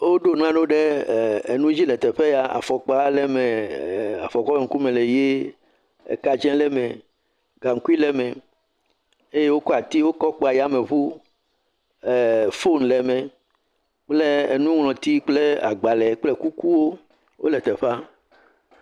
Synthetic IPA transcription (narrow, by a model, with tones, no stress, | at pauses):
wo˦ɖo˦nã˦ɖo˦ɖe˦˨e˨nũ˦d͡ʑi˦lɛ˨t̪ɛ˨ɸe˦ja˨a̰˨fɔ˨k͡pa˦lɛ˦mɛ̃˨a̰˨fɔ˨k͡pɔ˦e˨ŋ̩˦ku˦mẽ˨le˨je˦ | ḛ˨ka˨d͡ʒɛ̃˦lɛ˦mẽ˨ | ɡa˨ŋ̩˦ku˦i˦lɛ˦mɛ̃˨ | e˦je˦wo˦kɔ˦a˨t̪i˦wo˦kɔ˦k͡pɔ˦˨a˨ja˦mẽ˨βu˦ | ɛ˨fo˦nlɛ˨mɛ̃˨ | k͡ple˦ḛ˨nũ˦ŋlɔ̃˨t̪i˦k͡ple˦a̰˨ɡ͡ba˨lɛ˨k͡ple˦ku˦ku˦wo˦ | wo̰˦lɛ˨t̪ɛ˨ɸa˦